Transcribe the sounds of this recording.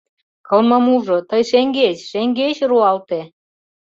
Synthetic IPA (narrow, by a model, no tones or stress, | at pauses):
kɤ̆lmɤ̆muʒŏt̪ɤjʃeŋɡet͡ɕʃeŋɡet͡ɕruɑlt̪e